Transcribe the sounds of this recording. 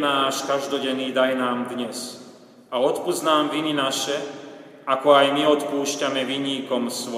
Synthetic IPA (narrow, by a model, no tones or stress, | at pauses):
naːʃkaʒd̪ɔɟɛnːiːd̪ajnaːmd̪ɲɛs | aɔt̪puznaːmʋininaʃɛ | akɔajmiɔt̪puːʃcamɛʋiɲiːkɔmsʋɔ